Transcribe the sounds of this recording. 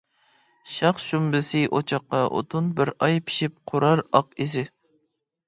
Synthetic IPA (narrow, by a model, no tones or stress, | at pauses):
ʃɑqʃumbɪsɪʔo̰t͡ʃʰɑqːɑʔo̰t̪ʰʊnbɪɾɑjpʰi̥ʃip̚qʰʊɾɑɾɑqizɪ